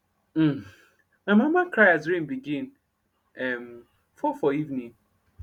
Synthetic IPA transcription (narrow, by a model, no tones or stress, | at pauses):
maɪmamakɾajazɾĩmbiɡĩn | ɛm | fɔfɔivnĩŋ